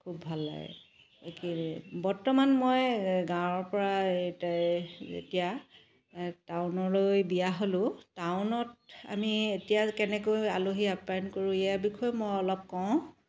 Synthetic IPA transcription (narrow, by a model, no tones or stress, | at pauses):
kʰubːʱalːa̰ɡɛ̰ | kibɔɹtɔmanmojɡãwɔɹpɔɹataḛtija | tawnɔlojbijaɦolʊ̃tawʊnɔt̚a̰mietijakɛnɛkojaloɦiapankoɹũijabikʰɔjmojɔlɔp̚kɔʊ̃